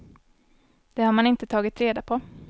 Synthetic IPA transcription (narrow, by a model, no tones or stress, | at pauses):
d̪̥ɛhaɾmanɪnt̪ət̪ʰɑːɡɪt̪ɾeːd̪apʰɔ